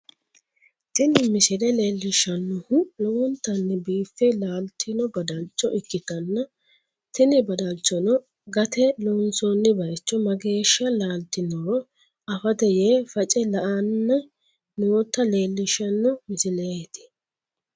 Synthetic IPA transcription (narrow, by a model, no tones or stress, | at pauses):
t̪ɪnɪmɪsɪlɛle̞ːlːɪʃːɐnːɔhʊlɔwɔnt̪ːɐnːɛbiːfːɛlaːlt̪ʰːɪnɔbɐd̪ɐlt͡ʃːɔʔɪkːɪt̪ɐnːɐ | t̪ɪnɪbɐd̪ɐlt͡ʃːɔnɔ | ɡɐt̪ɛlɔnsɔnːɪbɐjt͡ʃːɔmɐɡe̞ːʃːɐlaːlt̪ːɪnɔ | ɐfɐt̪ɛjeːfɐt͡ʃʼɛlɐʔɐnːɐ | noɔt̪ːɐle̞ːlːɪʃːɐnːɔmɪsɪlet̪ɪ̥